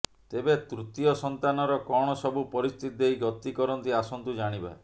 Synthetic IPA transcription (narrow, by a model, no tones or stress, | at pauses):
t̪ebet̪ɾut̪iɔsɔnt̪anɔɾɔkɔɽ̃ɔsɔbupɔɾist̪ʰit̪̚d̪ejɡɔt̪ːikɔɾɔnt̪iasɔnt̪ud͡ʒaɽ̃iba̰e